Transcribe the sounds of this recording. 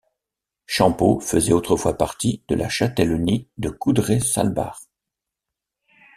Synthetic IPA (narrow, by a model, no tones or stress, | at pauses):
ʃɑ̃pofəzɛot̪χəfwapaʁt̪id̪̥əlaʃat̪ɛlɔnid̪əkud̪ʁesa̰lba̰ʁ